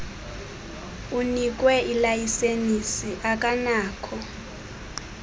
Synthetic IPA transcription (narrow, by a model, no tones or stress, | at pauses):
unik̬ʼwɛilajisenisiʔak̬ʼanaːkʰɔ